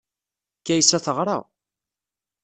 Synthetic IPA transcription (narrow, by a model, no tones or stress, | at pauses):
kːæjsæθəʁɾˤɑ̰